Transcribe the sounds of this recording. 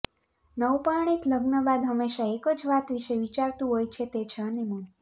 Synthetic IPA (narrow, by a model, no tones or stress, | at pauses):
nəwpaɳ̃it̪ləɡnəbad̪ɦəmːeʃaekəd͡ʒʋat̪ʋiʃeʋit͡ʃaɾt̪ũɦojt͡ʃʰet̪et͡ʃʰeənemən